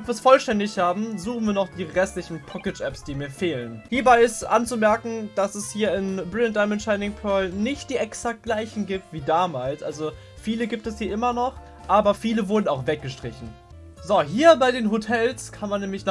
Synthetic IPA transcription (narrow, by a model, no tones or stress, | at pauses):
ɛtv̥aɐsfɔlʃtɛndɪçhaːbm̩zuːχn̩viːɐnɔχd̥iːʁɛstlɪçn̩pʰɔkɪt͡ʃʔɛpsd̥iːmiːɐfeːlənhiːɐbaɪɪstʔa̰nt͡sumɛɐkŋ̩d̥asɛshiːɐɪnbʁɪntd̥aɪmɛnʃaɪnɪŋpʰœɐlnɪçt̚d̥iːɛksak̚t̚ɡ̥laɪçn̩ɡiːp̚tv̥iːdaːmaːlsʔa̰lzo | fiːləɡiːp̚tɛshiːɐʔɪmɐnɔχ | ʔaːbɐfiːləvʊɐdn̩aʊxv̥ɛk̚ɡ̥əʃtʁ̥ɪçn̩ | zoɦiːɐbaɪdeːnɦotʰɛlskʰanmanːɛːmlɪçn